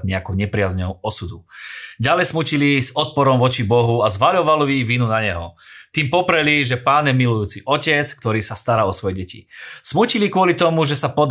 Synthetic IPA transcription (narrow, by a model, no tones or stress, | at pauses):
ɲɛakuɲɛpɾɪazɲɔʊɔsud̪uɟalɛjsmucilizɔt̪̚pɔɾɔmʋɔt͡ʃibɔɦuazʋaʎɔʋalɔjiʋinunaɲɛɦɔ̰t̪iːmpɔpɾɛliʒɛpaːnjɛmilujuːt͡siʔɔcɛt͡skt̪ɔɾiːsast̪aɾaːɔsʋɔjɛɟɛcḭsmucilikʊɔlit̪ɔmuʒɛsapɔd̪